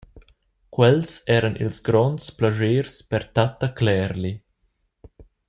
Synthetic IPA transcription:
kwɛlsɛːɾənḭlsɡɾɔnsplaʒeːɾspɛɾt̪at̪aklɛːɾli

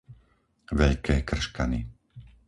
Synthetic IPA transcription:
ʋɛʎkɛːkr̩ʃkani

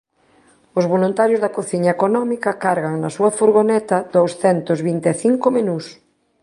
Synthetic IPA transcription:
ʊzβolunt̪aɾjozðɐkoθiɲaekonɔmikɐkaɾɣaŋnɐsuɐfoɾɣonɛt̪ɐd̪owsθɛnt̪ʊzβint̪eθiŋkomenus

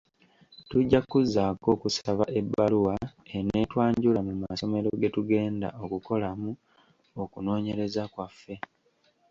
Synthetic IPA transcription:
tuɟːakuzːaːko̞ːkusaβaʔe̞bːaluwae̞netwaːɲɟulamumaso̞me̞ɾo̞ɡe̞tuɡe̞ːnda̰ʔo̞kuko̞lamu | okuno̞ːɲe̞ɾe̞zakwafːe̞

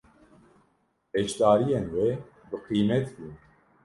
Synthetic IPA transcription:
ɛt͡ʃd̪aːɾijenwe | bɨqiːmɛt̪bun

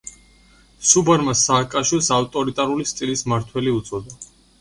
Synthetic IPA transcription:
subaɾmasaːkʼaʃwilˠsaft̪ʼɔɾit̪ʼaɾulist̪ʼilismaɾt̪ʰwɛliut̪sʼɔd̪a

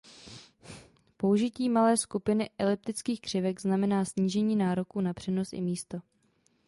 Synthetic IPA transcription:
po̞uʒɪciːmalɛːskupɪnɪʔɛlɪp̚t̪ɪt͡skiːxkr̥ɪvɛɡznamɛnaːsɲiːʒɛɲiːnaːɾo̞kuːnapr̥ɛno̞sʔɪ̰miːst̪o̞

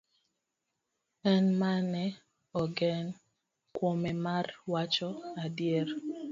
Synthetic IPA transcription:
ɛnmanɛ | ɔɡɛn | kwomɛmarwat͡ʃɔadjer

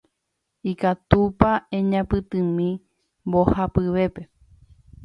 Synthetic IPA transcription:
ikat̪upaẽɲãpɨt̪ɨ̃mĩ | mbohapɨʋe̞pe̞

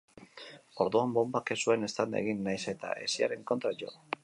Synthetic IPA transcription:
o̞ɾðuambo̞mbake̞sue̞ne̞st̪and̪eɣ̞inːajse̞t̪a̰e̞siaɾe̞ŋko̞nt̪ɾaʎo̞̰

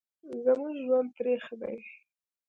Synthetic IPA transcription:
zəmuʒwand̪̚p̪ɾexd̪a̰j

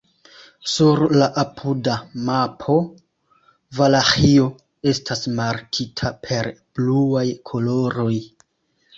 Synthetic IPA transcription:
suɾlaʔapʰudamapʰo̞ | valaxio̞ | e̞stʰasmaɾkʰitʰapʰe̞ɾb̥luajkʰo̞lo̞ɾo̞j

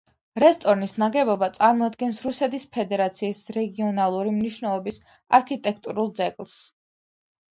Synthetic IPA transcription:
ɾɛst̪ʼɔɾnisnaɡɛbɔbat̪sʼaɾmɔad̪ɡɛnsɾusɛt̪ʰispʰɛd̪ɛɾat̪sʰiːsɾɛɡiɔnalˠuɾimniʃwnɛlˠɔbis | aɾkʰit̪ʼɛk̚ʰt̪ʼuɾulˠd̪zɛkʼlˠs

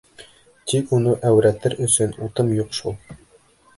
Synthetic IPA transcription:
t̪ikunɤʔæwɾæt̪ɘɾʔɵ̆sɵnut̪ɤmjuqʃulˠ

